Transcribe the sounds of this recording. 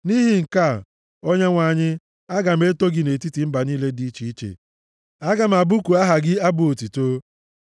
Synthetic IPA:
ni˦ɦi˨ŋ̩˨ka˦˨ | o˦ɲe˦ŋʷa˨ɲɪ˦ | a˦ɡa˨m̩˦e˦to˦ɡɪ˦ne˨ti˦ti˨m̩˦ba˨ni˦le˦di˦i˦t͡ʃi˨i˦t͡ʃḛ˨ | a˦ɡa˨m̩˨a˨bʊ˦ku˨a˦ɦa˨ɡɪ˦a˦bʊ˨o˨ti˨to˦

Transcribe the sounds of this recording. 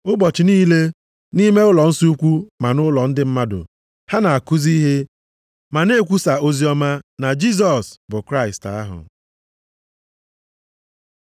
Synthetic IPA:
ʊ˦bɔ˨t͡ʃɪ˨niː˦le˦ | ni˦me˦ʊ˦lɔ˨n̩˦si˦u˦kʷu˦ma˨nʊ˦lɔ˨n̩˦dɪ˦m̩˦ma˦dʊ̰˨ | ha˦na˨a˨kʊ˦zi˦ɦe˦ | ma˨ne˦˨kʷu˦sa˨o˦zi˦ɔ˦ma˦na˨d͡ʒi˦s̬ɔ˨sbʊ˨kɾa˦ɪ˨sta̰˦ɦʊ̰˨

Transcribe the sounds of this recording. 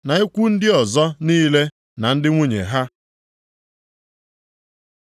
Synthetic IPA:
na˨i˦kʷu˦n̩˦dɪ˦ɔ˨zɔ˦niː˦le˦ | na˨n̩˦dɪ˦ŋʷu˦ɲḛ˨ɦa˦

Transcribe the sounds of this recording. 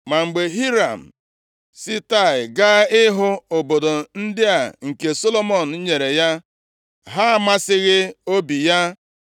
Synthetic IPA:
ma˨ŋ͡m̩˨ɡ͡be˨ɦi˦ɾa˨m̩˨ | si˦ta˦˨ɪ˨ɡa˦ɪ˦ɦʊ˦o˨bo˨do˨n̩˦dɪ˦a˨ŋ̩˨ke˨so˦lo˦mo˦˨n̩˨˦ɲe˨ɾe˨ja˦ | ɦa˦˨ma˦sɪ˦ɣɪ˦o˦bi˨ja˦

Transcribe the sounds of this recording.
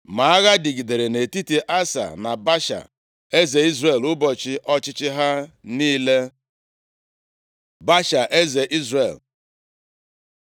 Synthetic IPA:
ma˨a˦ɣa˦di˨ɡi˨de˨ɾe˨ne˨ti˦ti˨ʔa˦sa̰˨na˨ba˦ʃa̰˨ | e˦ze˨i˦zre˨lʊ˦bɔ˨t͡ʃɪ˦ʔɔ˦t͡ʃɪ˦t͡ʃɪ˦ɦa˦niː˦le˦ | ba˦ʃa˨ʔe˦ze˨ʔi˦zre˨l

